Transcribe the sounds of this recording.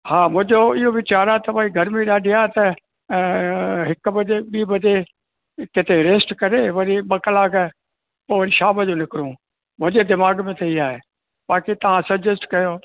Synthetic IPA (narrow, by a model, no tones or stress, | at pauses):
haːmʊ̃ɦɪ̃d͡ʑoɪɦoʋɪt͡ɕaːɾat̪ɐʋaiɡʱɐɾmẽɗaːɖʱiaːet̪ɐ | ɦɪkbɐd͡ʑeɓiːbɐd͡ʑe | kɪt̪ʰeɾeːsʈkɐɾeʋɐɾibɐklaːɡ | poːʋɾiʃaːməd͡ʑonɪkɪɾũː | mʊ̃ɲed̪ɪmaːɡmẽt̪ʰeiaːɦe | baːkit̪ɐʋ̤ãsɐd͡ʒesʈkɐjoː